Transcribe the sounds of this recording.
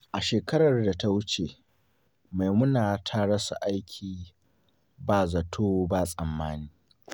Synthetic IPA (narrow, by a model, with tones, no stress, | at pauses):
ʔa˨ʃeː˨kɐ˦ɽɐ˨rda˨ta˦wʊ˦t͡ʃe˨ | ma˨jmʊ˦naː˨tʰa˦ɽɐ˦sa̰˨ʔa˦jkʲʰiː˨ | baː˨zɐ˨tʰoː˦baː˨sʼɐ˨mːaː˦niː˦